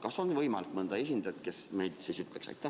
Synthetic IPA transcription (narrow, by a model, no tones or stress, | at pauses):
kɑso̞nvɤjmɑlikmɤnd̪̥ɑe̞s̬ʲind̪ɑjt̪ke̞smejd̪̥siːsyt̪ˑleksɑ̰jt̪ːˑæ